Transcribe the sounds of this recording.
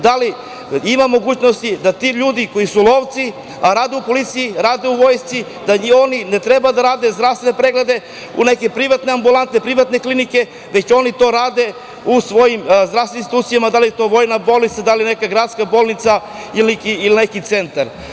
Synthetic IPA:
d̪ali | imamo̞ɡuːt͡ɕno̞st̪id̪at̪iʎuːd̪iko̞isulˠo̞ːʋt̪si | aɾaːd̪eupo̞lit̪sijiɾaːd̪e̞uʋo̞jst̪si | d̪ao̞nine̞t̪ɾe̞bad̪aɾaːd̪e̞zd̪ɾavst̪venepɾe̞ɡled̪e̞ | ṵne̞ke̞pɾiʋat̪ne̞ambulˠant̪nepɾiʋat̪neklinike̞ | ʋet͡ɕo̞nit̪o̞ɾaːd̪e̞ | usʋo̞jimzd̪ɾaseinst̪uːt̪sijamad̪alijet̪o̞ʋo̞jnabolnit̪sad̪alijene̞kaɡɾaːd̪skabo̞ːlˠnit̪sa | ilnekiːline̞kit̪se̞nt̪aɾ

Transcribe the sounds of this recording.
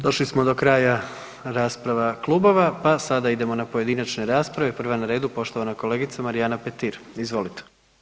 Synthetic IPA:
d̪o̞ʃlismo̞d̪o̞kɾaːja | ɾaːspɾaʋaklˠubo̞ʋapasad̪aid̪e̞mo̞napo̞je̞d̪inat͡ʃne̞ɾaːspɾaʋepr̩ʋanaɾe̞ːd̪upo̞ʃt̪o̞ʋanako̞le̞ːɡit̪samaɾijaːnapet̪iːɾizʋo̞lit̪e̥

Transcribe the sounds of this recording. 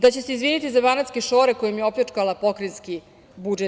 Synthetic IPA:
d̪at͡ɕese̞izʋiːnit̪izabanat̪skʲe̞ʃo̞ːɾe̞ko̞jomjeo̞plet͡ʂkalapo̞kɾinski | bud͡ʒe

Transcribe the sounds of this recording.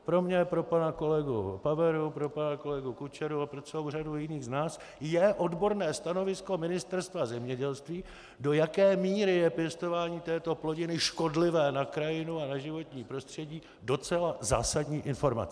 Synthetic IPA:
pɾo̞mɲɛpɾopanako̞lɛɡṵpavɛɾupɾo̞panako̞lɛɡukut͡ʃɛɾuapɾo̞t͡sɛlo̞wr̝adujɪniːɣznaːs | jɛʔo̞dbo̞ɾnɛːst̪ano̞vɪsko̞mɪnɪst̪ɛɾst̪vazɛmɲɛɟɛlst̪viː | do̞jakɛːmiːɾɪjɛpjɛst̪o̞vaːɲiːt̪ɛːt̪o̞plo̞ɟɪnɪʃko̞dlɪvɛːnakɾajɪnuanaʒɪvo̞t̪ɲiːpɾo̞st̪r̝̥ɛɟiː | do̞t͡sɛlaza̰ːsadɲiːʔɪnfo̞ɾma̰t͡s

